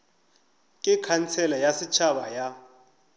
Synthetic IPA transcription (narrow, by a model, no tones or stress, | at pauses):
kʼikʰant͡sʰɛlajasit͡ʃʰaɓaja